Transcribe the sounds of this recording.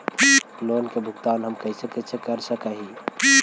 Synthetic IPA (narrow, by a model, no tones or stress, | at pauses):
piloːnkebʱʊɡt̪aːnɦəmkɐɪsekɐɪsekəɾsəkaɦipi